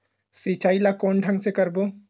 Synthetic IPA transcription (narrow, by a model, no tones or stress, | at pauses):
sit͡ʃajlakoɳɖʱaŋsekəɾbo